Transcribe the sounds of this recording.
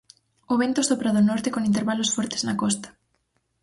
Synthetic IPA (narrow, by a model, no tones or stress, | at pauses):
oβent̪osopɾaðonɔɾt̪ekoŋĩnt̪̬eɾβalosfɔɾt̪e̥znakɔst̪ḁ